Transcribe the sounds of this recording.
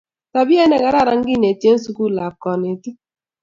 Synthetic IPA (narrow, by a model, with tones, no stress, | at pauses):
ta˨bi˦e˦ne˦˨ka˨˦ɾa˦ɾa˦ŋ̩˦ɡɪ˦˨ne˨tje˦n̩˦su˦ku˦la˨p̚kɔ˨ne˨ti˦